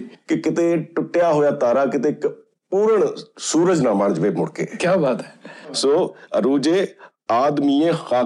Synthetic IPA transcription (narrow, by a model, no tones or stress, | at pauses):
kɪkɪt̪eːʈʊʈːɪjaːɦoːjaːt̪aːɾaːkɪt̪eːk | puːɾəɳsuːɾəd͡ʒnãːmaːnd͡ʒʋeːmʊɽkḛːkjaːbaːt̪ɛsoːəɾuːd͡ʒeː | aːd̪miːẽːxaː